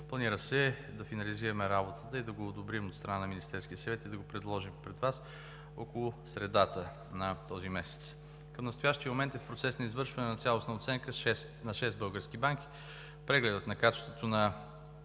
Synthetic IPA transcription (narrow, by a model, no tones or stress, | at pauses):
plˠɐniɾəsɛd̪ɐfinɐliziɾəmɛɾabot̪ət̪əid̪ɐɡoːd̪obɾimot̪st̪ɾɐnanɐminist̪ɛɾsk̟iəsɐvɛt̪id̪ɐɡopɾɛd̪lˠɔʒimpɾɛd̪vas | ɔkolˠʊsɾɛd̪at̪ə | nɐt̪ɔzimɛsɛ̥t̪s | kəmnɐst̪ojaʃt̪iəmomɛnt̪ɛfpɾot̪sɛsnɐizvɤɾʃvɐnɛnɐt̪sʲalˠosnɐot̪sɛŋkəʃɛst̪nɐʃɛsd̪bɤlˠɡəɾsk̟ibaŋk̟ʲi̥ | pɾɛɡlɛd̪ət̪nɐkat͡ʃɪ̥st̪vot̪onɐ